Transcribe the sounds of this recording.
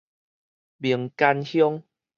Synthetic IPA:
bi˨˩əŋka˧nhjɔ˦ŋ

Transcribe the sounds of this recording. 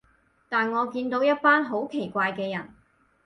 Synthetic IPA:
t̪aː˨nŋɔː˨˧kiː˧nt̪o˨˧˥wjɐ˥t̚paː˥nɦo˨˥wkʰe˨˩jkʷaː˧jkɛː˧jɐ˨˩n

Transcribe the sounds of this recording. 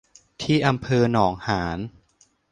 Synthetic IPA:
t̪ʰiː˥˩ʔa˧mpʰɤː˧nɔː˩˦ŋhaː˩˦n

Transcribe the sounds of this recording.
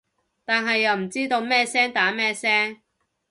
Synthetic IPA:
t̪aː˨nɦɐ˨jːɐ˨wm̩˨˩t͡siː˥t̪o˧wmɛː˥sɛː˥ŋt̪aː˨˥mɛː˥sɛː˥ŋ

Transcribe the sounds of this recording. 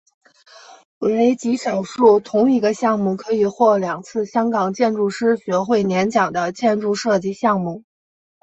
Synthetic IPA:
e˧˥we˧˥ɪt͡ɕi˧˥ʂɤ˨˩ŋʂu˥˩t̪ʰʊ˧˥ŋi˧˥ɡə˧ɕjɑ˥˧ŋmu˥˩kʰɤ˧˥i˨˩xwɔ˥˩ljɑ˨˩ŋt͡sʰɹ̩˥˩ɕjɑ˥ŋkɑ˨˩ŋt͡ɕjɛ˥˧nʈ͡ʂu˥˩ʂɻ̩˥ɕɥɛ˧˥xwe˥˩ɪnjɛ˧˥nt͡ɕjɑ˨˩ŋd̪ə˦t͡ɕjɛ˥˧nʈ͡ʂu˥˧ʂɤ˥˧t͡ɕi˥˧ɕjɑ˥˧ŋmu˥˩

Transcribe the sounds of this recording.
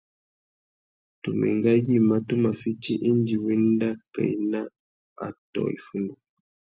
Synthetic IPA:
tu˨mɛ̰˨ŋɡa˦ji˦ma˦tu˦ma˨fi˦t͡ʃi˦ʔe˦n˦d͡ʒi˨wɛ˦n˦da˦ka̰˨i˦na˦ | a̰˨tɔ̰˨ḭ˨fu˦ndu˨

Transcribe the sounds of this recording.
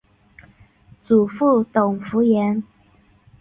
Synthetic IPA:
t͡su˨˩fu˥˩t̪ʊ˨˩ŋfu˧˥jɛ˧˥n

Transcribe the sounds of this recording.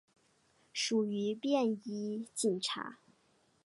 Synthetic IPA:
ʂu˨˩y˧˥pjɛ˥˩ni˥t͡ɕi˨˩nʈ͡ʂʰa̰˧˥

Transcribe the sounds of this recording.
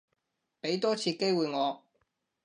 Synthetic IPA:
pe˨˥jt̪ɔː˥t͡sʰiː˧ke˥jwuː˨jŋɔː˨˧

